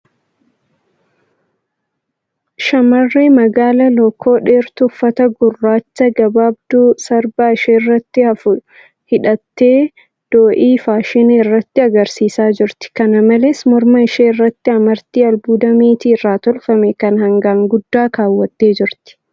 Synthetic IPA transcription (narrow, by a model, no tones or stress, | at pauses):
ʃɐmɐrːeːmɐɡaːlɐlɔkʰːo̞ːᶑeːɾt̪ʊfːɐt̪ɐɡʊrːaːt͡ʃːɐɡɐbaːbd̪̥ʊsɐɾbɐɪʃeːrːɐt̪ːɪɐfʊ | hɪᶑɐt̪ːeː | d̪̥oːʔiːfaːʃɪneːrːɐt̪ːɪɐɡɐɾsiːsaːd͡ʒɪɾt̪ɪ̥kɐnɐmɐleːsmɔɾmɐɪʃeːɪrːɐt̪ːɪɐmɐɾt̪ːiːɐlbuːd̪ɐmeːt̪iːɪrːaːt̪ɔlfɐmɛkɐnhɐŋɡaːŋɡʊd̪ːaːkaːwːɐt̪ːe̞ːd͡ʒɪɾt̪ɪ̥